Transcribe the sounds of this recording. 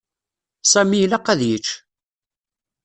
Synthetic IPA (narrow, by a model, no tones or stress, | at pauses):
sæmilæqæðjət͡ʃː